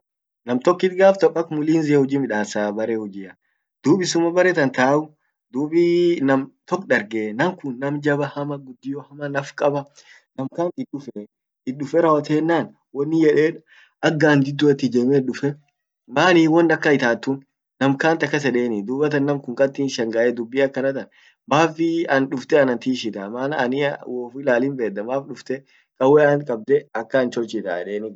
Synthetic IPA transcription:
nɐmt̪ɔkːɪt̪ɡaːft̪ɐpːɐkmʊliːnzɪɛhɔd͡ʒiːmɪᶑaːsaːbɐɾehɔd͡ʒɪːɐ | d̪̥uːbɪsʊmɐbɐɾɛt̪ɐnt̪aːʔʊ | d̪uːbɪnɐmt̪ɔkːᶑɐɾɡenɐmkʊnːɐmd͡ʒɐbɐhɐmɐɡʊd̪ːɪjɔhɐmɐnɐfkʼɐbɐ | nɐmkaːnt̪ɪɗʊfe | ɪᶑʊfɛɾɐwɐt̪eːnːaːn | wɐnːɪjɛᶑeːᶑɐ̥ | ɐɡːand̪ɪd̪ːʊɛt̪ːɪd͡ʒeːmɛᶑʊfɛ | maːniːwɔnːɐkːɐɪt̪aːt̪ːʊn | nɐmkaːnt̪ɐkːɐs̬ɛᶑeːnɪd̪uːbɐt̪ɐnːɐmkʊŋkʼɐt̪ːiːnʃɐŋɡaːʔɛd̪ʊbːɪɐkːɐnɐt̪ɐn | baːfɪɐnᶑʊft̪ɛɐnɐnt̪iːʃɪt̪ɐmaːnɐ̰nɪwɔːfɪlaːlɪmbeːd̪ːɐmaːfɗʊft̪ɛ | kʼɐwɛɐnkʼɐb̚d̪ɛɐkːɐːnt͡ʃɔlt͡ʃɪt̪a̰ːɛ̰ᶑeːnɪ

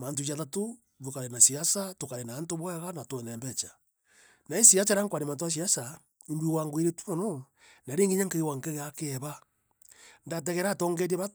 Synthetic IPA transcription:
mant̬ujaðato | βokaɾenasiasatokaɾenaːntoβwɛɣanatwɛnɛmbɛt͡ʃḁ | naesiat͡ʃaɾaŋkwaɾemant̬oas̬iasa | imbwiwaŋɡwiɾetwumano | naɾeːŋɡeɲaŋkeiwaŋkeɣakeβa | ndat̬ɛɣɛɾatoːŋɡeɾeβa

